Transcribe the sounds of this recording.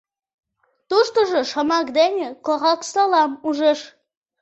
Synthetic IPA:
t̪uʃt̪oʒoʃəmɑkd̪enʲekoʁɑksɑlɑmuʒeʃ

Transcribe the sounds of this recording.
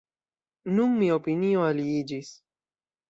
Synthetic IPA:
nʊŋmɪopinijoalijɪd͡ʒɪs

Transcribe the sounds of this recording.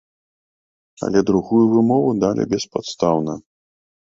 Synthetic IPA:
ɐ̰lʲɛd̪ɾuɣujuvɨmɔvud̪alʲʔɛ̰bʲɛspat̪st̪awnɐ

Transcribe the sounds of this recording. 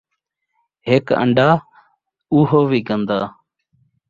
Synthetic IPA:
ɦekə̰ɳɖaː | uːɦoːʋiːkənd̪aː

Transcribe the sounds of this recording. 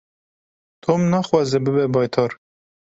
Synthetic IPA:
t̪ʰomnɑːxwɑːzɛbɨbɛbɑːjt̪ʰɑːɾ

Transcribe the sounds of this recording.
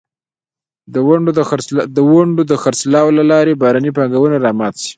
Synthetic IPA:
əwaɳɖd̪əwaɳɖod̪əxaɾslɑwlalɑɾebɑɾɑnipɑŋɡawənaɾɑmɑt̪si̥

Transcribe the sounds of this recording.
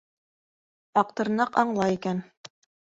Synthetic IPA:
ɑq̚t̪ɤ̆ɾnɑqɑɴlˠɑjikæn

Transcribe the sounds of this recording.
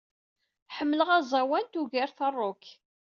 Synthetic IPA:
ħəmːləʁæzˤɑwænt̪uʝæɾθərˤːok

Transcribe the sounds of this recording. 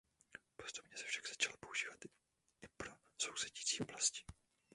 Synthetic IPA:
post̪u̥pɲɛsɛ̥fʃaɡz̥ḁt͡ʃalpo̞uʒiːvat̪ | ɪpɾo | so̞wsɛɟiiːt͡siːʔo̞blascɪ̥

